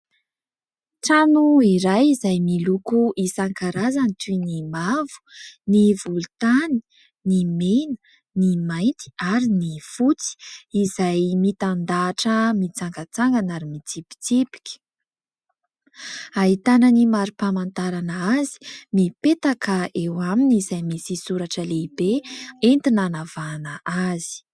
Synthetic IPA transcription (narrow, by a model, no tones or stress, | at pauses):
ʈ͡ʂanuiɾajizajmilukuʔisaŋkaɾazanit̪unimavu̥nivulut̪ani̥ | nimenə̥ | nimajnt̪i̥aɾinifut͡si̥ːzajmit̪and̪aːʈ͡ʂəmit͡saŋɡat͡saŋɡanaɾimit͡sipi̥t͡sipi̥kʲi̥ | aɦit̪anənimaɾipamant̪aɾanəazi̥mipet̪akəʔewaminizajmisisuɾaʈ͡ʂəleibeent̪inanavanəʔazi̥